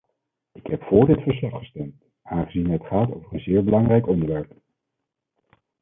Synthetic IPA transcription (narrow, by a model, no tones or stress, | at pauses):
ɪkɦɛpfʊːɹdɪtfəɹs̬lɑχχə̥stɛmt | aːnχəzinɦətχaːto̰wvəɹənzɪːɹbəlɑŋrɛjkɔndəɹʋɛɹp